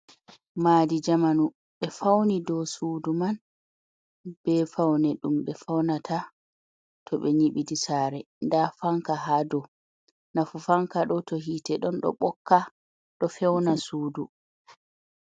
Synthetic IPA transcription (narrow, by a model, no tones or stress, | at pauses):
maːdid͡ʒamanu | ɓɛfawnidɔsuːduman | b̥ɛfawnɛɗumɓɛfawnatʰa | tʰɔɓɛɲiɓidisaːɾɛ | ndafaŋkaɦadɔ | nafufaŋkaɗɔtɔɦitɛɗɔnɗɔ̰ɓɔkːa | ɗɔfɛwnasuːdu